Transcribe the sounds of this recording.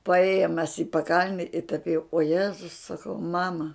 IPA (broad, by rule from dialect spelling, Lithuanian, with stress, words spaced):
pɐˈeːjoːm mʲɛs ɪ pɐˈkɐlʲnʲɛ ɪ tɐp jɛʊ oː ˈjæːzʊs sɐˈkɐʊ ˈmɑːmɐ